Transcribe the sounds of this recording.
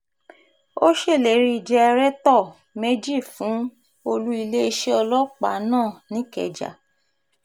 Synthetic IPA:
o˦ʃe˦˨le˨ɾi˧˦i˨d͡ʒɛ˧ɛ˧ɾɛ˦tɔ˦˨ | me˦d͡ʒi˦˨fũ˨˦ | o˧lu˦i˧le˦e˧ʃe˦ɔ˧lɔ˦k͡pa̰˨˦nãː˦˨nĩ˦kɛ̰˨d͡ʒa̰˨

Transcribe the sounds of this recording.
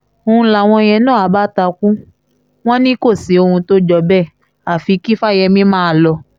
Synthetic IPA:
o˧ũ˧˦la˨w̃ɔ̃˧j̃ɛ̃˧nãː˦˨a˨ba˦ta˧kũ˦ | w̃ɔ̃˦nĩ˦ko˦˨si˨˦o˧hũ˧to˦d͡ʒɔ˧bɛ˦˨ | a˨fi˨˧˦ki˦fa˦jɛ˧mĩ˦mãː˦˧˦lɔ˧

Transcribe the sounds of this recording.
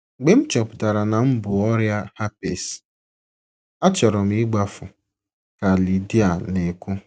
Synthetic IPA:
ɡ͡be˨˦m̩˦t͡ʃɔ˨pʊ̥˨ta˨ɾa˨na˨m̩˦bʊ˨ɔ˦ɾja˦ha˦pe˨s | a˦t͡ʃɔ˨ɾɔ˨m̩˦i˦ɡ͡ba˦fʊ˨ | ka˨li˨di˦a˨ne˨kʊ˦

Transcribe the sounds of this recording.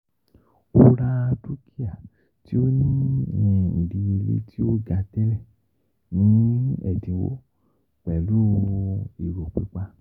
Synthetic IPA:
o˦ɾa˦a˧tu˦kʰi˦a˦˨ | ti˦o˦nĩ˦˨jɛ̃˧ḭ˨di˨˧e˧lṵ˦ti˦o˦ɡa˧tɛ˦lɛ˦˨ | nĩ˨˦ɛ̰˦˨dĩ˨˦wo̰˦ | k͡pɛ˨lu˦˧i˨ɾo˨k͡pḭ˨˦k͡pa˧˦

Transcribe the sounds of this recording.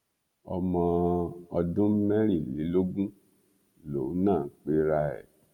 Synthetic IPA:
ɔ̰˧mɔ̃˧ɔ˧dũ˦m̩˦mɛ˦ɾ̃ĩ˦˨li˨˦lo˦ɡũ˦ | lo̰˨˦nãː˦˨˦k͡pe˦ɾa˧ɛ̰˦˨

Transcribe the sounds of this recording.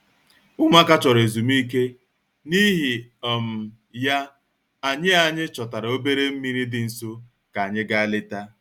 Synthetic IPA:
ʊ˦mʷa˦ka˦t͡ʃɔ˨ɾe˨zu˨m˦i˦k̬e˦ | ni˦ɦi˨ɔ˨m̩˨ | ja˦ | a˨ɲɪ˦a˨ɲɪ˦t͡ʃɔ˨ta˨ɾa˨o˦be˦ɾe˦m̩˦mi˦ɾi˦dɪ˨n̩˨so˦ | ka˨ɲɪ˦ɡa˦a˦lɪ˦ta˦

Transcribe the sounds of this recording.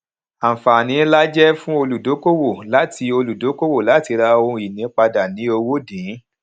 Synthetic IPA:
a˨fa˨nĩ˨˦la˦d͡ʒɛ˦fũ˦o˧lu˨do˨˦ko˦wo˦˨la˨˦tʰi˧o˧lu˨do˨˦ko˦wo˦˨la˨˦ti˧ɾa˧o˧ũ˧i˨nĩ˨˦k͡pa˧da˨nĩ˨˦o˧wo˦dĩ˨˦

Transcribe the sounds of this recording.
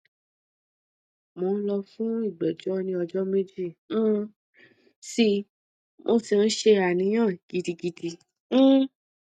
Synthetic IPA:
mo˨˦n̩˦lɔ˧fũ˦i˦˨ɡ͡bɛ˨d͡ʒɔ˦nĩ˧˦ɔ˧d͡ʒɔ˦me˦d͡ʒĩ˦˨˦ | si˧ | mʔo˧˦si˨n̩˦ʃe˧ɾa˨nĩ˨˦j̃ã˦˨ɡ̥i˨˧di˧ɡi˨˧dĩ˧˦

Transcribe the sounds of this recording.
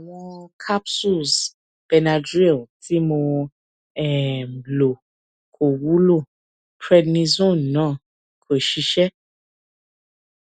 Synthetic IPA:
a˨w̃ɔ̃˧kʰa˦psu˦˨z | b̥ɛ˧na˧d͡ʒɾɛ˦˨ltʰi˦mo˧ | ɛ˦˨m˨lo˨ | kʰo˨wu˦lo˦˨ | pɾɛ˦dnĩ˦zõ˦˨n˨nãː˦˨ | kʰe˨ʃi˧˦ʃɛ˦

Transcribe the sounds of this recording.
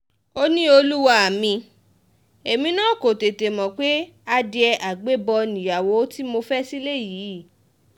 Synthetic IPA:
o˧nĩ˦o˧lu˦wa˦˧a˨mĩ˧ | e˨mĩ˧nãː˦˨ko˨te˨te˨mɔ̃˨k͡pe˦ | a˧di˧ɛ˧ʔa˨ɡ͡be˦bɔ˧nĩ˨ja˨wo˨˦ti˦mo˧fɛ˦si˦le˦˨jiː˨˦˨

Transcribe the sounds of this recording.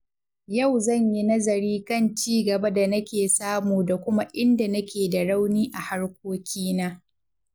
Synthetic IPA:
jɐ˦˨wzɐ˦˨ɲji˦nɐ˦zɐ˨ɾiː˦kɐ˦˨nt͡ʃiː˦ɡɐ˨ba˦da˨nɐ˦kʲeː˨saː˦muː˨da˨kʷʊ˦ma˦ʔɪ˦nda˨nɐ˦kʲeː˨da˨ɽa˦wniː˦ʔa˨ha˦ɽkʷoː˦kʲiː˦naː˦

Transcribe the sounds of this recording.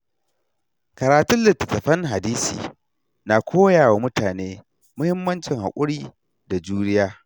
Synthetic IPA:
kɐ˨ɾaː˨tʊ˦nlɪ˨tːɐ˨tɐ˨ɸɐ˦ŋɦa˨diː˦sḭː˨ | na˨kʷʰoː˦jaː˨wa˨mʊ˦taː˨neː˦ | mʊ˦hɪ˦mːɐ˦nt͡ʃɪ˨ŋha̰˨kʷʼʊ˦ɽiː˦ | da˨d͡ʒuː˦nɪ˦jaː˦

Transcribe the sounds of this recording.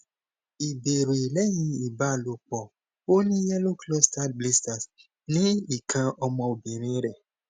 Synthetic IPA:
i˨be˨ɾe˨i˨lɛ˦jĩ˧i˨ba˨˦˨lo˨k͡pɔ˨ | o˦nĩ˦jɛ˦lo˦klɔ˦sta˦˨tble˦sta˨s | nĩ˦i˨kʰã˧ɔ˧mɔ̃˧o˨be˨ɾ̃ĩ˧˦ɾɛ˨

